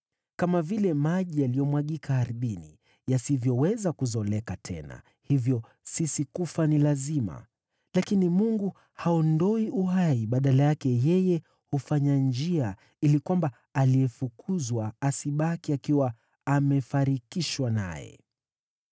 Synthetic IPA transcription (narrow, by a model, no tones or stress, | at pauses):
kamavilɛmaʄialijɔmwaɠikʰahaɾiɓinḭ | jasivjɔwɛzakuzɔlɛkatʰɛ̰na̰ | hivjɔ | sisikufanilazima̰ | lakinimuŋɡu | haɔndɔiuɦaiɓaɗalajakɛjɛjɛ | hufaɲand͡ʒia | ilikwamba | aliɛfukʰuzwaːsiɓakiakiwaː | mɛfaɾikiʃwana̰jɛ̰